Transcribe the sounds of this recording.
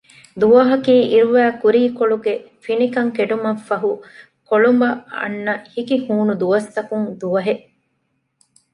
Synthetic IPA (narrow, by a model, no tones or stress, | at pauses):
d̪uʋɐɦɐkiːʔiɾuʋæːkuɾiːkoɭuɡe | finikɐŋkeɖumɐfːɐɦu | koɭumbɐɐ̰nːɐhikihuːnud̪uʋɐst̪ɐkuŋd̪uʋɐɦeʔ